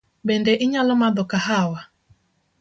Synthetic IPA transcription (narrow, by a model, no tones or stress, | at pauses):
bɛndɛʔɪɲalɔmaðɔkahawa